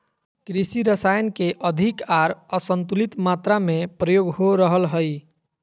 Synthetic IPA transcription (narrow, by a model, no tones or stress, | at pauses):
kɾisiɾəsajənkeʔəd̪ʱikaɾəsənt̪ulit̪mat̪ɾamepɾəjoɡɦoɾəɦəlɦəj